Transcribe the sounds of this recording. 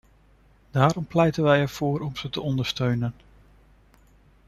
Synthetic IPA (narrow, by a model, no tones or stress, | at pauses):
d̥aːɾɔmplɛjtənʋɛjɛɹv̥ʊːɾɔmz̥ətəɔndəɹstøɥnən